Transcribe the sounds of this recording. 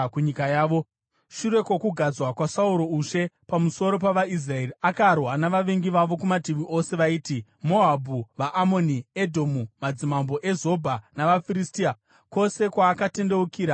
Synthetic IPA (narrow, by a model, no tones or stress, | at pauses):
kuɲikajaːʋo̞ | ʃuɾe̞ko̞kuɡʱad͡zwakwasauɾo̞uʂe̞pamuso̞ɾo̞p̬aʋais̬rae̞riakarwanaʋaʋe̞ŋɡiʋaʋo̞kumatiʋiʔo̞se̞ʋaiːtimo̞ɦabʱuʋaʔamoniedʱo̞mumad͡zimambo̞ʔe̞zo̞bʱanaʋafiɾistiːa | ko̞se̞kwaːkate̞nde̞ukiːɾa